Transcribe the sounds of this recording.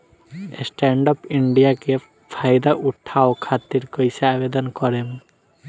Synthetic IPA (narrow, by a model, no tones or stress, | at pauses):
sʈɛɳɖɔpiɳɖijake | pʰajd̪aʔuʈʰːaokʰat̪ːiɾkojsaabed̪ɔnkɔɾem